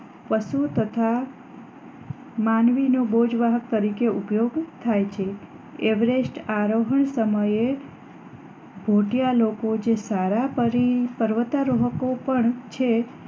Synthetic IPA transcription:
pəʃut̪ət̪ʰa | manʋinobod͡ʒʋaɦək̚t̪əɾikeupjoɡt̪ʰajt͡ʃʰe | eʋɾesʈaɾoɦəɳsəməje | bʱoʈijalokod͡ʒesaɾapəɾipəɾʋət̪aɾoɦəkopəɳt͡ʃʰe

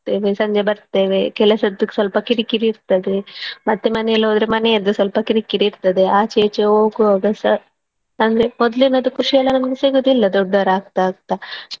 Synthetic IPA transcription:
t̪eːʋesɐɲd͡ʒebɐɾt̪eːʋekɛlɐsɐd̪ːukːe̥sʋɐlpɐkiɾikiɾiːɾt̪ɐd̪emɐt̪ːemɐnejɐlːɐɦoːd̪ɾemɐneɐd̪ːusʋɐlpɐkiɾikiɾiːɾt̪ɐd̪e̞aːt͡ʃeːt͡ʃeoːɡuaːɡɐsɐ | ɐnd̪ɾemɔd̪linɐd̪ukuʂijɐlːɐnɐmɐɡesiɡod̪ilːɐd̪ɔɖːaːɾaːɡt̪aaːɡ̚t̪a

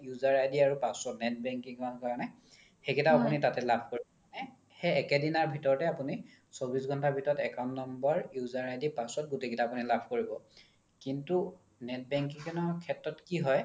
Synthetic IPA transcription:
juzaɹajdiaɹupasɔnɛt̚bɛŋkiŋkɔnkaɹanɛ | xekʰitaapunitatɛlabʱkoɹiɔ | nɛ | xeɛkɛdinaɹbʱitɔɹɔtɛapuni | sobisɡʱɔntabʱitɔɹɔtɛkanːɔmbɔɹjuzaɹajdipasɔt̚ɡutekitaːpunilabʱkoɹibɔ | kintu | nɛt̚bɛŋk̬iŋkɛnɔkʰɛtɹɔtkiɦɔj

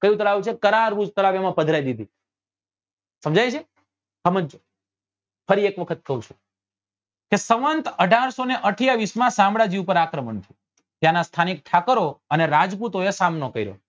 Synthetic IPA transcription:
kəjũt̪əlaʋut͡ʃʰekəɾaɾʋud͡ʒt̪əlaʋjamãpəd̪ʱɾajd̪id̪ʱi | səmd͡ʒajt͡ʃʰe | ɦəməd͡ʒ | fəɾiekʋəkʰət̪̚kəɦũt͡ʃʰũ̥ | kesəʋənt̪əɖʱaɾsoneʔəʈʰijaʋismãsãmbɭad͡ʒiʋupəɾakɾəməɳt̪ʰiu | t̪janast̪ʰanik̚ʈʰakəɾoəneɾad͡ʒput̪oesamnokəiɾjo̰

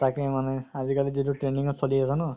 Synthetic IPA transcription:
t̪akemaneazikaliziduʈɾeniŋɔsʰɔliasanɔ

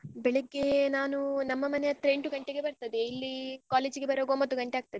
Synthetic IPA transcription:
bɛɭiɡːe̞naːnunɐmːɐmɐneɐt̪ɾeɳʈuɡɐɳʈeɡe̞bɐɾt̪ɐd̪eilːikaːleːd͡ʒiɡebɐɾoːɡombɐt̪ːuɡɐɳʈeaːɡ̚t̪ɐd̪e

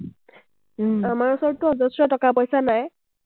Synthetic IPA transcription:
amaɹusɔɹtuɔzɔsɹɔtɔkapɔjsanaj

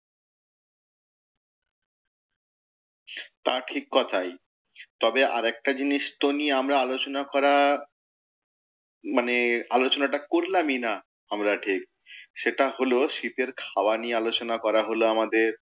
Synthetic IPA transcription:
t̪aʈʰikːɔt̪ʰaj | t̪ɔbeʔa̰ɾɛk̚ʈad͡ʑiniʃt̪onieamɾaalot͡ɕonakɔɾa | manealot͡ɕonaʈakoɾlamina | amɾaʈʰik̚ | ʃeʈaɦoloʃit̪eɾkʰawaniealot͡ɕonakɔɾaɦoloamad̪eɾ

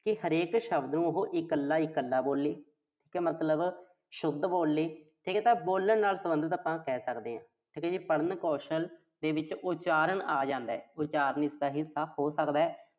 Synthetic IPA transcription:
kɪɦəɾeːkʃəbd̪nũːʊɦoʔɪkəlːaːɪkəlːaːboːlːeː | ʈʰiːkɛːmət̪ləb | ʃʊd̪ːboːlːeːʈʰiːkɛːt̪ãːboːlːəɳnaːlsəbənd̪ət̪apãːkɛːsəkd̪eːãː | ʈʰiːkɛːd͡ʒiːpəɽənkɔːʃəl | d̪eːʋɪt͡ʃʊt͡ʃaːɾənaːd͡ʒãːnd̪aːɛːʊt͡ʃaːɾənɪst̪aːɦɪsaːoːsəkd̪aːɛː

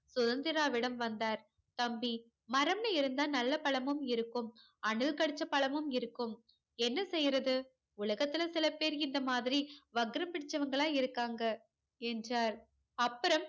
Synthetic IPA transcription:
sʊðɐnd̪ɪɾaːʋɪɽɐmʋɐnd̪aːɾ | t̪ɐmbi | mɐɾɐmnɐɪɾɯnd̪aːnɐlːɐpɐɭɐmɯmɪɾɯkːɯm | ɐɳɯlkɐɽɯt͡ʃːɐpɐɭɐmɯmɪɾɯkːɯm | ɛnːɐsɛjːɾɐðɯ | ʊɭɐɣɐt̪ːɪlɐsɪlɐpeːɾɪnd̪ɐmaːðɪɾiʋɐɡɾɐmpɪɽɪt͡ʃːɐʋɐŋɡɐɭaːɪɾɯkːaːŋɡɐ | ɛndraːɾ | ɐpːɯɾɐm

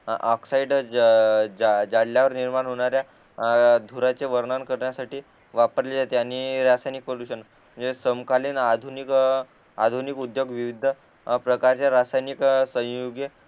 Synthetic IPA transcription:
ɔksaiɖ | ad͡zaɽljaʋəɾniɾmanɦoɽ̃aɾja | d̪ʱuɾat͡seʋəɾɳankəɾɳjasaʈiː | ʋapəɾled͡zat̪eanːiɾasajnik̚pəɽuɕən | d͡ʑesəmkaliːnad̪ʱunik | ad̪ʱunikud̪joɡʋiʋid̪ʱə | pɾəkaɾt͡ɕjaɾasajniksə̃joɡje

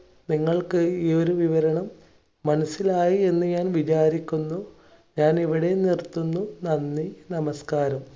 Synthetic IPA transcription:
niŋːɐɭkɨioɾuʋiʋɐɾɐɳɐmː | ɐnɐsilaːjie̞nːɨɲaːnʋit͡ɕaːɾikʲːunːu | ɲaːneʋiɽe̞nirt̪ːunːunɐnːinɐmɐskaːɾɐm

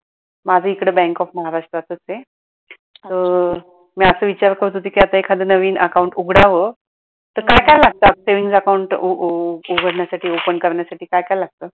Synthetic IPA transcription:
mad͡zʱəikɽəːbɛ̃ŋkɔfməɦaɾaʂʈɾat̪ət͡se | t̪əɾ | miasəːʋit͡ɕaɾkəɾut̪ud̪ʱiːkiat̪aekʰad̪ənəʋiːnʔəkauɳʈuɡʱɽaʋə | t̪əɾkajkajlaɡ̚t̪əaseʋiŋɡsəkauɳʈ | uɡʱəɽɳjasaʈʰiːopənkəɾɳjasaʈiːkajkajlaɡ̚t̪əː

